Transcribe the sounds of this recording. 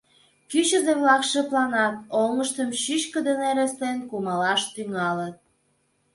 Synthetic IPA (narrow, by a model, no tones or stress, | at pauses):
kyt͡ɕəzeβlɑkʃeplɑnɑt̪̚oŋəʃt̪əmʃyt͡ɕkə̆d̪eneɾest̪enkumɑlɑʃt̪yŋɑlət̪̚